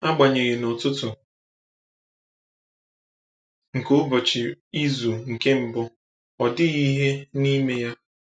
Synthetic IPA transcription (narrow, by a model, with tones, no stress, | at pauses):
a˦ɡ͡ba˨ɲe˨ɣɪ˨nɔ˨tʊ˦tʊ˨ | ŋ̩˨ko˦bɔ˨t͡ʃɪ˨i˦zu˨ŋ̩˨ke˦m̩˨bʊ˦ | ɔ˨dɪ˦i˦ɦe˦ni˦me˦ja˦